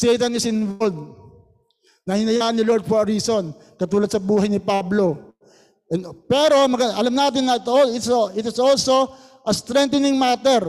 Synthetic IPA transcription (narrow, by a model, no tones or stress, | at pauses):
sɛjt̪ɐnːɪsɪnvod̪̚ | nɐhɪnɐjaːʔɐnːɪloɹd̪̚foɾison | kɐt̪uːlɐd̪̚sɐbuːɦɐjnɪpablo̞ | ɛnpɛːɾo̞mɐɡɐɐlɐmnaːt̪ɪnːɐt̪ɐoɪt̪soɪt̪ɐsɐolso̞ | ʔɐst̪ɾɛnt̪ɪnɪŋmaːt̪ɛɾ